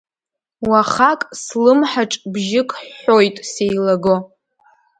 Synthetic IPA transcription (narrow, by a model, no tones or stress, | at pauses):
waχakʼslɨmħaʈ͡ʂʼbʒɪkʰʼːojtʼsejlaɡo